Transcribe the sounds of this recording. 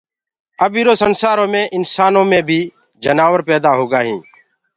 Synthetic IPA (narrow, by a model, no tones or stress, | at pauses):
əbiːɾoːsənsaːɾõːmẽːʔɪnsaːnõːmẽːbʱiː | d͡ʒənaːʋəɾpɛːd̪aːɦoːɡaːɦĩː